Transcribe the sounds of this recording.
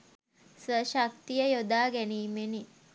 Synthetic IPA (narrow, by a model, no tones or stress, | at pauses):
sʋəʃak̚t̪ijəjod̪aːɡæniːmeni